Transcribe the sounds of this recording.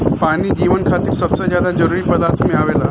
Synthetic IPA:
paɽ̃iːd͡ʑiʋənkʰat̪iːksəbsəd͡ʑjad̪ad͡zəɾuɾiːpəd̪aɾt̪ʰəmiɭaʋela

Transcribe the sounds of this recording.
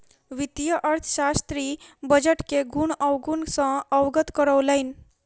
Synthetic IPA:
ʋit̪jəʔəɾt̪ʰɕast̪ɾiːbəd͡ʑəʈkeɡʱuːɳəʋɡunsə̃əʋɡət̪kəɾəʋlain

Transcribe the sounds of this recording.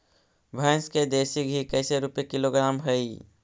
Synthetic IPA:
bʱəːnsked̪eːsikikəːseɾupekɪloɡɾaːmɦəi

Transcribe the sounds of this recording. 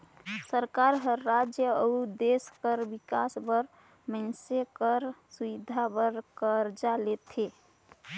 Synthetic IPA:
səɾkaɾɦəɾːad͡ʒjəəud̪eskəɾbikasbəɾ | mənsekəɾsuwid̪ʱabəɾkəɾd͡ʒalet̪ʰe

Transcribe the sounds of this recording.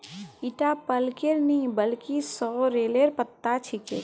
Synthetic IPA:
iʈapəlkeɾnɐɦĩbəlkisɔːɾeːleɾpət̪ːat͡ʃʰikḛ

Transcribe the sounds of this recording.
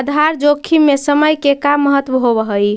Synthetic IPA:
d̪ʱaɾd͡ʒokʰimesəməjkekamːəɦət̪wəɦoβəɦəj

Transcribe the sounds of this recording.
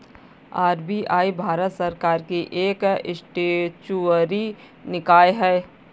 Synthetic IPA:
aːɾbiʔaːibʱaːɾət̪səɾkaːɾkiʔeːkɪsʈet͡ʃuɾi | nɪkaːeɦɛː

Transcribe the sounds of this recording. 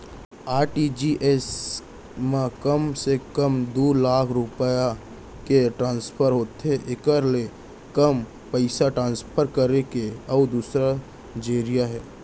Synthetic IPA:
aːɾʈid͡ʒiʔes | mãkəmsekəmd̪oːlaːkʰɾʊpəja | keʈɾãːnspʰəɾɦoːt̪ɛʔɪkəɾle | kəm | pəɪsaʈɾãːnspʰəɾkəɾekeɔːd̪uːsɾa | d͡ʒeːɾijaɦɛː

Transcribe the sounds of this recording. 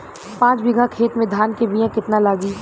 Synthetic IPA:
pãːt͡ʃbɪɡʱakʰeːt̪mẽd̪ʱaːnkemijãkɪt̪nalaːɡiː

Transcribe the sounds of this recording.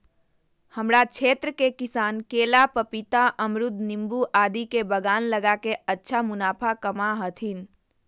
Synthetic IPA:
həmɾat͡ʃʰeːt̪ɾəkekisaːnkeːlapəpit̪aʔəmɾʊd̪nimbuʔaːd̪ikebəɡaːnləɡakeətːʃʰamʊnaːpʰakəmaɦət̪ʰin

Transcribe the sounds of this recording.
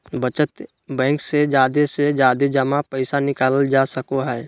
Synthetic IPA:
bət͡ʃət̪ | bɛ̃ːŋksed͡ʒaːd̪esed͡ʒaːd̪ed͡ʒəmapəɪsanɪkaːləld͡ʒasəkoɦɛː

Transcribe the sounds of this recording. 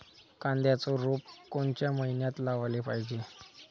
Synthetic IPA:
kãnd̪jat͡sɔɾopkoɳt͡ɕjaməɦinjat̪laʋalepaɦid͡ʑe

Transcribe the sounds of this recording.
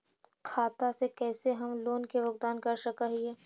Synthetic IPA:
kʰaːt̪asekɛːseɦɐmloːnkeʋɐɡd̪aːnkɐɾsɐkaɦiɛː

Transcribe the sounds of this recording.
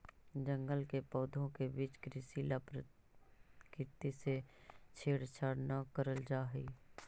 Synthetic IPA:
d͡ʒə̃ŋɡəlkepɔːd̪ʱõkebiːt͡ʃkɾɪsiːlapɾə | kɪt̪iset͡ʃʰeːɽt͡ʃʰaːɽnakəɾəld͡ʒaːɦiː

